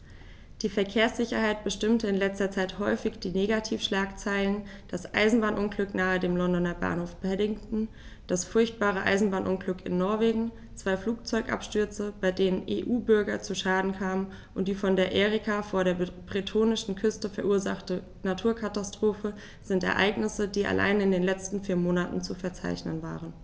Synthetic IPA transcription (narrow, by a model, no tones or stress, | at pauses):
d̥iːfɛɐkʰeːɐsz̥ɪçɐhaɪt̚b̥əʃtɪmtəɪnlɛt͡stɐt͡saɪthɔʏfɪçd̥iːneːɡatʰiːfʃlaːkt͡saɪlənd̥asʔa̰ɪzn̩baːnʔʊnɡlʏknaːədeːmlɔndɔnɐba̰ːnhoːfb̥ɛdɪŋtn̩ | d̥asfʊɐçt̚b̥aːʁ̞əʔa̰ɪzn̩baːnʔʊnɡlʏkɪ̰nːɔɐveːɡŋ̩ | t͡sv̥aɪfluːk̚t͡sɔʏkʔa̰pʃtʏɐt͡səb̥aɪdeːnənʔḛːʔuːbʏɐɡɐt͡suʃaːdn̩kʰaːmən | ʔʊnt̚d̥iːfɔndeːɐʔeːʁikʰafoːɐɾeːɐb̥ʁitʰoːnɪʃn̩kʰʏstəfɛɐʔuːɐzaχtə | natʰuːɐkʰatastʁ̥oːfə | z̥ɪntɛ̰ɐʔa̰ɪɡnɪsədiːʔa̰lʔa̰ɪnɪndeːnlɛt͡stn̩fiːɐmoːnatn̩t͡sufɛɐt͡sa̰ɪçnənva̰ːʁən